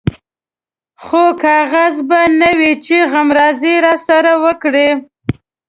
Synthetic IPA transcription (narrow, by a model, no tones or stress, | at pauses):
xokɑɣazbanəwit͡ʃeɣamɾɑziɾɑsaɾawəkɽe